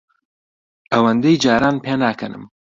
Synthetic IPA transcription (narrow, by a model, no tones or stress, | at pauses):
ʔɐwɐnd̪ejd͡ʒaːɾaːnpʰeːnaːkʰɐnɨ̰m